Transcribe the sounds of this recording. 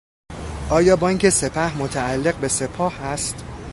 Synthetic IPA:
ʔɒːjɒːbɒːiŋcʰe̞se̞pʰæhmot̪ʰæːlːe̞ɣbe̞se̞pʰɒːhæst̪

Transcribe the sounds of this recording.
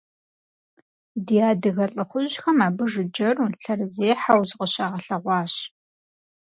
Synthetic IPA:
dijaːdɨɣɐɬʼɨχʷʊʑxɐmaːbɨʐɨd͡ʒɐruɬɐrzeːħawzqʼəɕaːʁɐɬɐʁʷɑːɕ

